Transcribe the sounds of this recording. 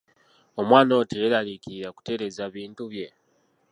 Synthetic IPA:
o̞mwaːno̞ːtejelalikiɾiɾaku̥te̞ɾe̞zaβiːntuβje̞

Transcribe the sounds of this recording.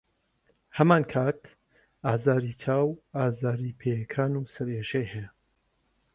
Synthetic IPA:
hɐmaːnkʰaːt̪ | aːzaːɾitʰaːwaːzaːɾipʰeːjɐkʰaːnusɐɾeʃejhɛja

